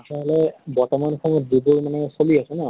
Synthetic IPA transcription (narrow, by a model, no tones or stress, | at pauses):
asaɦɔlɛbɔɹtɔmankʰɔŋɔdibuɹmanɛsoliasɔnɛ